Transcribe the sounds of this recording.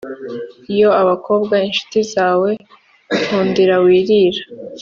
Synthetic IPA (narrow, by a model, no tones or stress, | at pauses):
ijo̞aβako̞ːbɡwainʃu̥tizaːwe̞ | huːndiɾawiːɾiɾḁ